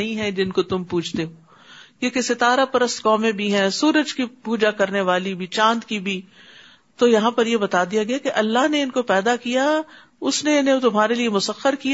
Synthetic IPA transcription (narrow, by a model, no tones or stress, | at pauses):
ɐɦĩɦɛ̃d͡ʒɪnkot̪ʊmpuːt͡ʃʰt̪eɦoː | kekesɪt̪aːɾapɐɾəst̪kɔːmẽbʱiɦɛ̃suːɾəd͡ʒkipuːd͡ʒakɐɾneʋaːlibʱit͡ʃãːnd̪kibʱi | t̪ojɐɦãpɐɾjebɐt̪aːd̪ijaɡɐjakeʔɐlːaɦneɪnkopɛːd̪akija | ʊsneɪnɦẽt̪ʊmɦaːɾeliemʊsəxəɾki